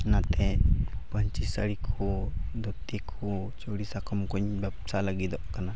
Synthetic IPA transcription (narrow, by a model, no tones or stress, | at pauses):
nat̪epəɲt͡ʃisaɽikʰod̪ɔt̪ikʰo | t͡ʃoɽisakɔmkuɲbapsalaɡid̪ɔʔkana